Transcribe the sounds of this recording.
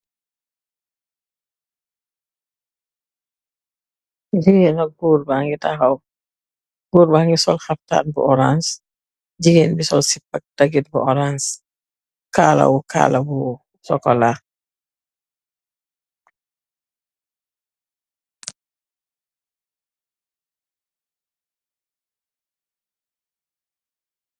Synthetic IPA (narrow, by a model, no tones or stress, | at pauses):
diŋenɐɡuːɾbaŋɡitahɐw | ɡuːɾbaŋɡisɔlxɐfta̰ːnbṵɔɾans | d͡ʒiɡenbisɔlsipːɐk̚daɡit̚buʔɔɾans | kaːlɐ̰wuka̰lɐbu | sɔkɔla